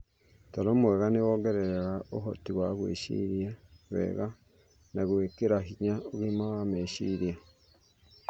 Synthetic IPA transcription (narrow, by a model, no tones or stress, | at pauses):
tɔɾomwɛɣanewoɡɛɾɛɾeɣaoɦotiɣwaɣwḛʃḭɾjaɣwɛ̰ɣa | naɣwekeɾaɦiɲaoɣimawameʃḭɾja